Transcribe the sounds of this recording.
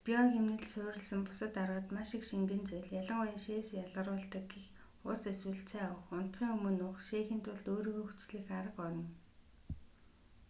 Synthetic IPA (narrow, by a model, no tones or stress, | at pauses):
piɔɣemnɘ̆ɮsʊːɾɪ̆ɮsə̆mpʊ̥sə̆t̪arwə̆t̪maʃɪkʃiŋɡɘ̆nt͡sœjɮjaɮə̆ɴʊj̆nʃeːsjaɮʁə̆ɾʊːɬt̪ə̆kɡix | ʊseswɘ̆ɬt͡sʰæːʊχʊn̥t̪χiːŋɵmɵ̆nʊχʃeːxĭːnt̪ʰʊɮt̪oːɾiːɣoːxu̥t͡ɕɮĭːxaɾə̆qɔɮɞ̆n